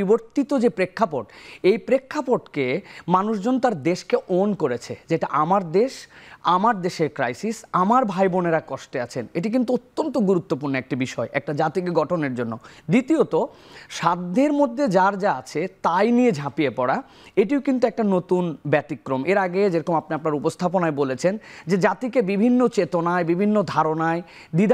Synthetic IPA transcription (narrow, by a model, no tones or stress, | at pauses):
iboɾt̪it̪od͡ʑepɾekʰːapoʈejpɾekʰːapoʈkemanuʃd͡ʑonːot̪aɾd̪eʃkeʔonkoɾet͡ɕʰed͡ʑeʈaʔamaɾd̪eʃamaɾd̪eʃeɾkɾajsisamaɾbʱajboneɾakɔʃʈeat͡ɕʰeneʈik̬int̪uot̪ːont̪oɡuɾut̪ːopuɾnoɛk̚ʈibiʃɔeʔɛk̚ʈad͡ʑat̪iɡɡɔʈʰoneɾd͡ʑonːod̪it̪iot̪oʃad̪ʱːeɾmod̪ʱːed͡ʑaɾd͡ʑaat͡ɕʰet̪ajnied͡ʑʱãpijepɔɽa | eʈiokint̪uɛk̚ʈanot̪unbɛt̪ikːɾomeɾaɡed͡ʑeɾokomapniaapnaɾupost̪ʰap̬onaebolet͡ɕʰend͡ʑed͡ʑat̪ikebibʱinːot͡ɕet̪onaebibʱinːod̪ʱaɾonae | d̪id̪